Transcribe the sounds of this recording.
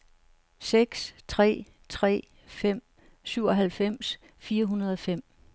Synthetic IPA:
seɡ̥st͡sʰʁɛ̰ː | t͡sʰʁɛ̰ː | fem̰ | syʊ̰ɒ̽ɦælfem̰s | fiːɐɦunɐð̞̩ˠɒ̽fem̰

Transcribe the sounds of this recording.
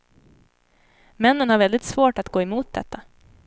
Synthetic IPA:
mɛnːənhaɾvɛld̪ɪt̪svoːʈat̪ɡoːɛmuːt̪̚d̪ɛ̰t̪ʰːa

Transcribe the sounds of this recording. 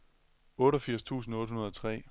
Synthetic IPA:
ɔ̽ːɾɒfiɐ̰st͡sʰṵːsn̩ɔ̽ːd̥hunɐðˠɒ̽t͡sʰʁɛ̰ː

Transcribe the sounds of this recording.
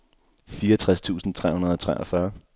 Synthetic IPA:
fiːɐʌt͡sʰʁast͡sʰṵːsn̩t͡sʰʁɛ̰hunɐðˠɒ̽t͡sʰʁɛʔɐfɶɐ

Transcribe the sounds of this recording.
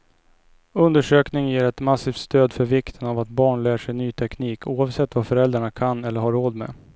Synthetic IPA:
ɵnd̪əʂøːknɪŋjeːɾɛt̪masiːft̪st̪øːd̪fœɾvɪkt̪ʰənavat̪̚bɑːɳlæːʂɛjnyːt̪ʰɛkniːkʰuːavsɛt̪ːvafœɾɛld̪ɾaɳakʰanːɛlːəɾɦaɾːoːd̪mɛ̰

